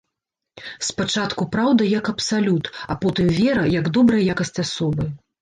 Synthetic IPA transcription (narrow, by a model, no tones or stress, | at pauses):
spat͡ʂat̪kupɾawd̪ɐjɐkɐpsalʲut̪apɔt̪ɨmvʲɛɾɐjɐɡd̪ɔbɾɐjɐjakɐsʲt͡sʲasɔbɨ